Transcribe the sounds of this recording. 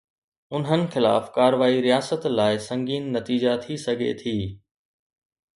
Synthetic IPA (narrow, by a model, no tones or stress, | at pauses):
ʊnɦənɪ̆xɪla̰ːfkaːɾʋaːiɾijaːsət̪laːɪsɐ̃ŋɡiːnːɐt̪iːd͡ʑat̪ʰisɐɡʱḛt̪ʰiː